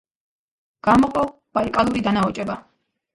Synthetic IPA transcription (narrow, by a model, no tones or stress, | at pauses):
ɡ̥amɔqʼɔ | b̥aikʼalˠuɾid̪anaɔt͡ʃʼɛba